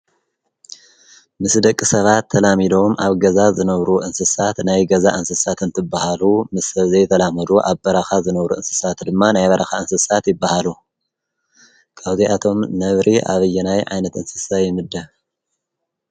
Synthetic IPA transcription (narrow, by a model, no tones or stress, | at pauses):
mɨsd̪ɐkʼːisɐβat̪ʰːɐlamid̪o̞mʔaβɡɐzazɨnɐβɾuʔɨnsɨsat̪najɡɐzaʔɨnsɨsat̪ɨnt̪ʰɨbːahalumɨsːɐβzejt̪ʰɐlamɐd̪uʔaβbɐɾɐxazɨnɐβɾuɨnsɨ̥sat̪d̪ɨmːanajβɐɾʔɐxaɨnsɨsat̪jɪbːahalu | kʼʰaβziat̪ʰo̞mnɐβɾiʔa̰βɨjːɛnajʕa̰jnɐt̪ʔɨnsɨsajɪmɨd̪ːɐ